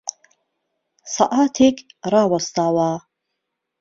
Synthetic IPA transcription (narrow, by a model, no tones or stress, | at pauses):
saʔaːt̪ʰekʼraːwast̪aːwaː